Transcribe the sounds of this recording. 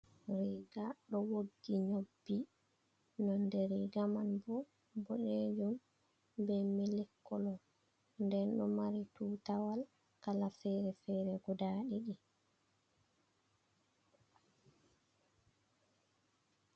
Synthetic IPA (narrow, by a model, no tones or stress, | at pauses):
ɾiɡaɗɔwoɡːiɲobːi | nɔndɛɾiɡamanbɔ | bɔɗed͡ʒum | bɛmilɛkʰːɔlɔ | ndɛnɗɔmaɾitutawal | kalafɛɾɛfɛːɾɛɡɔdaɗiɗi